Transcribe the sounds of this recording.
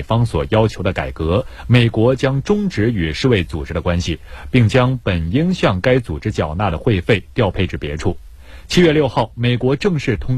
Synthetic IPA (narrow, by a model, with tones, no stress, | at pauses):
fɑ˥ŋswɔ̰˨˩jɑ˥ʊt͡ɕʰjo˧˥ʊd̪ə˧ka̰˨˩ɪkɤ˧˥me˨˩ɪkwɔ˧˥t͡ɕjɑ˥ŋʈ͡ʂʊ˥ŋʈ͡ʂɻ̩˧˥y˨˩ʂɻ̩˥˧we˥˩ɪt͡su˨˩ʈ͡ʂɻ̩˧˥d̪ə˨kwa˥nɕi˨pi˥˩ŋt͡ɕjɑ˥ŋpə˨˩ni˥ŋɕjɑ˥˩ŋka˥ɪt͡su˨˩ʈ͡ʂɻ̩˧˥t͡ɕjɑ˨˩ʊna˥˩d̪ə˩xwe˥˧ɪfe˥˩ɪt̪jɑ˥˧ʊpʰe˥˧ɪʈ͡ʂɻ̩˥˩pjɛ̰˧˥ʈ͡ʂʰu˥˩ | t͡ɕʰi˥ɥɛ˥˧ljo˥˧ʊxɑ˥˩ʊme˨˩ɪkwɔ˧˥ʈ͡ʂɤ˥˧ŋʂɻ̩˥˩t̪ʰʊ˥ŋ